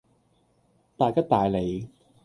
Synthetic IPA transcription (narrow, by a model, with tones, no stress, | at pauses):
t̪aː˨˧jkɐ˥t̚t̪aː˨jle˨˧j